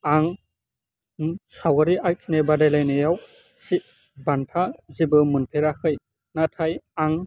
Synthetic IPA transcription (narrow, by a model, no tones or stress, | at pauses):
aŋ | sawaɾiʔajkʰnebadajlajnejaw | sit̚ | bantʰazibɯmunpʰeɾakʰɯj | natʰajaŋ